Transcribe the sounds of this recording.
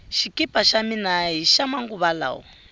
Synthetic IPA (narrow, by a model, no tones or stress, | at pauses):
ʃikipaʃaminaɦiʃamaŋɡuβala̰ːɔ̰